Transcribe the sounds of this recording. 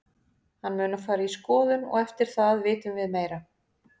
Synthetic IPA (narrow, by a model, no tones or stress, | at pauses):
hanːmʏːnafaːɾaiskɔːðʏnɔ̰ɣɛft̪ɪɾ̥θaðvɪːt̪ʏmvɪðmeːjɾa